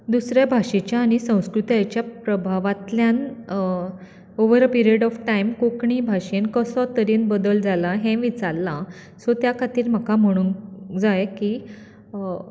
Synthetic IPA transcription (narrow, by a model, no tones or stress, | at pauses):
d̪usɾjabʱaʂẽt͡ɕjaːɽ̃isə̃w̃skɾut̪at͡ɕjapɾəbʱaʋat̪ljãn | oʋəɾəpiɾieɖɔfʈajmkokɳibʱaʂenkəsɔt̪əɾiːnbəd̪əld͡zalaɦɛ̃ʋit͡saɾlã | sɔt̪jakʰat̪iːɾm̤akam̤əɽ̃uːnd͡zajki